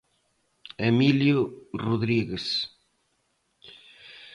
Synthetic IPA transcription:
emiljʊruðɾiɣes

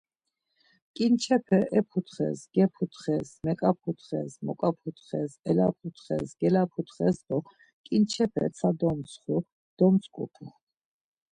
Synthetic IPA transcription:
kʼint͡ʃʰɛpʰɛʔɛpʰut̪ʰχɛ̰sɡɛpʰut̪χɛsmɛkʼapʰut̪ʰχɛsmɔkʼapʰut̪ʰχɛsɛlapʰut̪ʰχɛ̰sɡɛlapʰut̪χɛsd̪ɔ | kʼint͡ʃʰɛpʰɛ̰t̪sʰad̪ɔmsʰχu | d̪̥ɔmsʰʼkʼṵpʰu

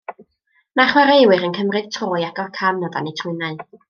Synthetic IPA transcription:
maχwaɾeɨwɨɾənkʰəmrɨð̥tʰroːjaɡɔkʰamnɔða̰nejtʰrʊɨnaɨ

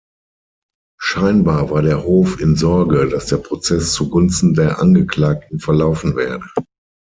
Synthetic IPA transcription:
ʃaɪnbaːɐvaːɐdeːɐhoːfɪnzɔɐɡədasd̥eːɐpʁ̥ot͡sɛst͡suɡʊnstn̩deːɐʔanɡəkl̥aːk̚tn̩fɛɐlaʊfn̩vɛːɐdə

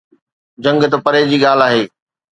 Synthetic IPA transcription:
d͡ʑɐ̃ŋɡt̪ɐpɐɾed͡ʑiːɠaːl̤aːɦeː

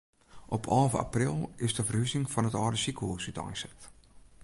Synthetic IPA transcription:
ʔɔpʰɔːlˠvəa̰prilˠɪsdəfərhysɪŋfɔnətɔːdəsikəuəsytɔ̰jnsɛ̥t

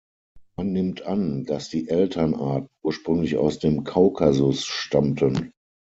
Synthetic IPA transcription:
manːɪmtʔand̥asd̥iːʔɛltʰɐnaɐtn̩uːɐʃpʁ̥ʏŋlɪça̰ʊsd̥eːmkʰaʊkʰazʊsʃtamtʰən

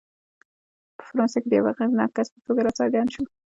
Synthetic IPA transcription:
pə̥fɾɑnseked̪əja̰wa̰ɣanɑ̰kːaspə̥t̪oɡaɾɑt͡sɑɾɡɑnʃu

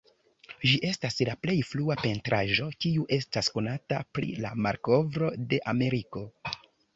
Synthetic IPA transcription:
ʒiʔe̞staslaple̞jfluape̞ntɾʔaʒo̞kiuʔe̞stasko̞natapɾḭla̰maɾko̞vɾo̞de̞ʔame̞ɾiko̞

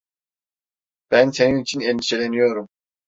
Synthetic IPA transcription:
b̥ænseninit͡ʃʰineld̪iʃelenijoɾum

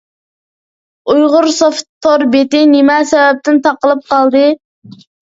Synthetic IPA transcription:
ujʁʊɾsoft̪ʰːoɾbet̪ɪnɪmɛsɛwɛp̚t̪ʰɪnt̪ʰɑqəlˠɨp̚qɑlˠd̪ɨ

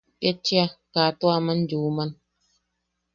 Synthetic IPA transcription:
pet͡ʃːiakaːt̪uamand͡ʒuːman

